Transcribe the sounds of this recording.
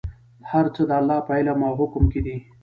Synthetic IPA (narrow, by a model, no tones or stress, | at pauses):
haɾt͡səd̪əalːɑːpajlamɑɦʊkʊmked̪i